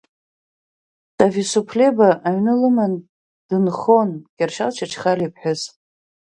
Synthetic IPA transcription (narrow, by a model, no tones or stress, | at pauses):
sʼavʲisupʰlebaʔaɥnɨlɨman | d̥ɨnχonɡ̥ʲarʃalt͡ʃʰaʈ͡ʂʰχalipʰħᶣʊz